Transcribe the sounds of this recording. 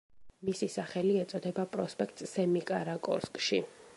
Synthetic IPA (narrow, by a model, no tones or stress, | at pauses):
misisaχɛliɛt̪sʼɔd̪ɛbapʼɾɔspʼɛk̚ʰt̪ʼsɛmikʼaɾakʼɔ̰ɾskʼʃi